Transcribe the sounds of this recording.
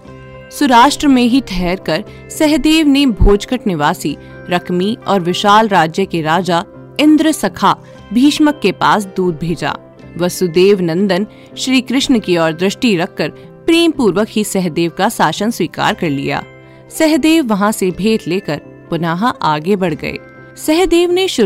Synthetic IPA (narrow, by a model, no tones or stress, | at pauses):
sʊɾaːʃʈɾəmẽɦiʈʰɛɦɛɾkɐɾ | sɛɦd̪eːʋnebʱoːd͡ʒkəʈnɪʋaːsi | ɾɐkʰmiɔːɾʋɪʃaːlɾaːd͡ʒjəkeɾaːd͡ʒa | ɪ̃nd̪ɾəsɐkʰa | bʱiːʃməkːepaːs̬d̪uːɾ̚bʱeːd͡ʒa̰ː | ʋɐsud̪eːʋnɐ̃nd̪ən | ʃɾiːkɾɪʃɳəkiɔːɾd̪ɾɪʃʈiɾɐkːəɾ | pɾiːmpuːɾʋəkɦisɛɦd̪eːʋkasaːʃənswiːka̰ːɾkɐɾlḭja̰ː | sɛɦd̪eːʋːɐɦãsebʱeːʈleːkəɾ | pʊnaːɦʔaːɡebɐɽ̤ɡɐ̰ḛː | sɛɦd̪eːʋneʃʊ